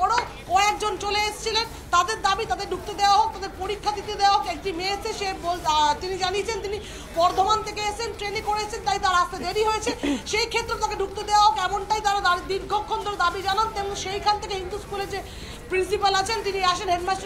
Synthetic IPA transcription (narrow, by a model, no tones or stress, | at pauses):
ɔɽ̃o | kɔek̚d͡ʑont͡ɕoleeʃt͡ɕʰilen | t̪ad̪eɾd̪abit̪ad̪eɾɖʱuk̚t̪od̪ewaɦok̚t̪ad̪eɾpoɾikʰːad̪it̪ed̪ewaɦokekʈimeet͡ʃʰeʃebolat̪inid͡ʑaniet͡ɕʰent̪ini | bɔɾd̪ʱomant̪ʰekeet͡ɕʰenʈɾenikoɾeet͡ɕʰent̪ajt̪aɾast̪ed̪eɽiɦojet͡ɕʰeʃejkʰet̪ːɾot̪akeɖʱuk̚t̪od̪ewaɦokɛmoɳʈajt̪aɾad̪aid̪iɾɡʱokʰːond̪oɾd̪abid͡ʑanant̪emonʃejkʰant̪ʰekeɦind̪uskuleɾd͡ʑe | pɾinsipalat͡ɕʰent̪iniaʃenɦeɖmas